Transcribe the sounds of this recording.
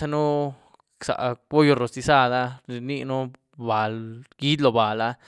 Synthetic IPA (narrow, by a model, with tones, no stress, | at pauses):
a˧nu˦ | ksa̰˨ʔbo˦jo˧ɾo˨st̪i˧sa˦d̪a˦ɾi˧ni˦˧nu˦ | ba˨lɡ̥i˦d̪lo˧ba˨la˦